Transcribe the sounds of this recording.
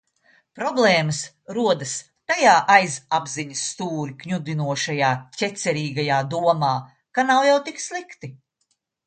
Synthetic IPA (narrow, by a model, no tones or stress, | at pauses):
pɾɔblˠɛːmɐs | ɾuɔd̪ɐs | t̪ajaːʔajzabziɲəsːt̪uːɾʲikɲʲud̪inuɔʃajaːcʲɛt̪sɛɾiːɡajaːd̪uɔmaː | kanawjawt̪ikslˠikt̪i